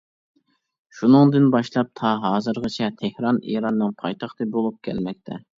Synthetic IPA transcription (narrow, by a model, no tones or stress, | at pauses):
ʃunɨŋd̪ɨnbɑʃlˠɑp̚t̪ʰɑɦɑːzɨɾʁɨt͡ʃʰɛt̪ʰehɾɑnḭɾɑnːɨŋpʰɑjt̪ʰɑχt̪ʰɨbolˠup̚kʲʰɛ̰lmɛk̚ʲt̪ʰɛ̰